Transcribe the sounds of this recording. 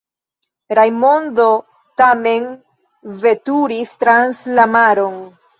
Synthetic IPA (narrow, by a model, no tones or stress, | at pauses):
ɾajmo̞ndo̞ | tame̞n | ve̞tuɾistɾanslamaɾo̞n